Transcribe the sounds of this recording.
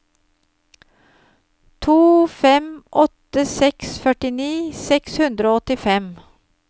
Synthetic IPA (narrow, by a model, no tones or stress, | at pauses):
t̪ʰuːfɛmʔɔt̪əsɛksfœʈɪniːsɛkshʉnd̪ɾoːɔt̪ɪfɛm